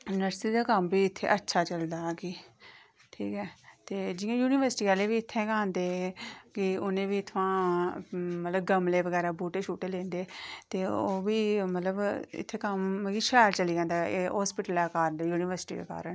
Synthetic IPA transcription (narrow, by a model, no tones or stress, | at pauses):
nəɾsiːd̪aːkəmbiːɪt̪ʰːḛːʔətːʃʰaːt͡ʃəld̪aːkɪ | ʈʰiːkɦɛːt̪eːd͡ʒɪãːjuːnɪʋəɾsʈiːaːleːʋiːɪt̪ʰːɛ̃ːkãːnd̪eːkɪʊnẽːʋiːt̪ʰʊʋãː | mət̪ləbɡəmleːʋəɡɛːɾaːbuːʈeːʃʰuːʈeːlẽːnd̪eːt̪eːoːʋiːmət̪ləbɪ̰t̪ʰːeːkəmɡiːʃɛːɾt͡ʃəliːd͡ʒãːnd̪aeːɦɔːspɪʈəlːaːkaːɾnd̪aːjuːnɪʋəɾsʈḭːd̪ḛːka̰ːɾəɳ